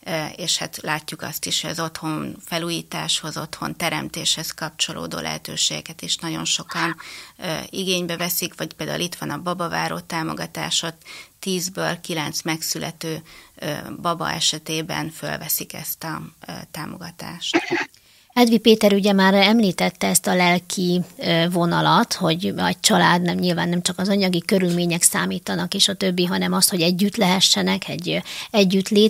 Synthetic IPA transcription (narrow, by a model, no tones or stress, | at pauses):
eːʃhat̪laːcːukɒ̰st̪iʃhoɟɒzo̞t̪ho̞nfɛluːjiːt̪a̰ːʃho̞zo̞t̪ho̞̰nt̪ɛɾɛmt̪eːʃhɛskɒp̚t͡ʃo̞lʔo̰ːd̪o̰ːlɛ̰ɦɛt̪ø̰ːʃeːɡɛkɛt̪iʃnɒɟo̞̰nʃo̞kɒn | iɡeːɲbɛvɛsikʋɒcpeːld̪a̰ulit̪ʋɒnɒbɒbɒvaːɾoːt̪aːmo̞̰ɡɒt̪a̰ːʃo̞t̪ːiːzbøːlkilɛnt̪smɛksylʔɛt̪øː | bɒbɒ̰ɛʃɛt̪eːbɛ̰nfø̰lvɛsikɛ̰st̪ɒt̪aːmo̞ɡɒt̪a̰ːʃt̪ | ɛd̪ʋipeːt̪ɛɾuɟɛmaːɾɛmliːt̪ɛt̪ːɛɛst̪ɒlɛlkʰivo̞nɒlɒt̪ho̞ɟɛ̰ct͡ʃɒlaːd̪nɛmɲilvaːnːɛmt͡ʃɒkɒzɒɲɒɡikø̞ɾylmeːɲɛksaːmiːt̪ɒnɒkeːʃɒt̪ø̞bːiɦɒnɛmɒst̪ho̞ɟɛɟːyt̪lɛɦɛʃːɛnɛkʰɛɟːɛɟːyt̪leː